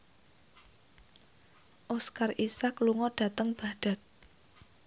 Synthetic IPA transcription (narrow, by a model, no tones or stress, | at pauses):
ʔoskarʔisakluŋɔɖ̥ä̤t̪əŋb̥a̤d̥a̤t̪̚